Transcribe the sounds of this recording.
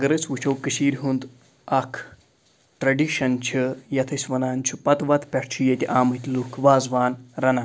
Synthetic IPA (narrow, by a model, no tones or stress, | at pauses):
ɐɡɐɾɨt͡sʋut͡ʃʰowkɨʃiːɾʲɦund̪ | ɐkʰ | ʈɾɐɖiʃɐnt͡ʃʰijɐt̪ʰɐsʲʋɐnaːnt͡ʃʰipɐt̪ʋɐt̪pʲɛʈt͡ʃʰijet̪ʲiʔaːmɨt̪ʲlukʰʋaːzʋaːnɾɐna